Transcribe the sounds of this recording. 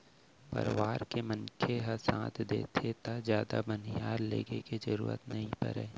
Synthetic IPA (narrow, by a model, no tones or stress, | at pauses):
pə̰ɾʋaːɾkemənkʰeɦɐsã̰ːt̪ʰd̪ḛːt̪ʰet̪azjaːd̪a̰bənijaːɾlḛːɡeked͡ʒɐɾuːɾə̰t̪nɐɦĩpə̰ɾɛ̰ː